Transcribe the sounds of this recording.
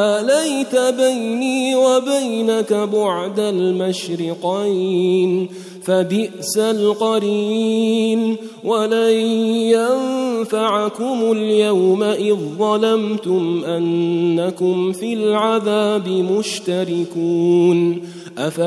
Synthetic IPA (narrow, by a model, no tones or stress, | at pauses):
ʔalajt̪abajniːwabajnakabʊʕd̪almaʃɾɪqijn | fabɪʔsalqɑɾiːn | walajanfaʕakʊmʊljawmaʔɪðˤːɑlamt̪ʊmʔanːakʊmfɪlʕaðaːbɪmʊʃt̪aɾɪkuːn | ʔafa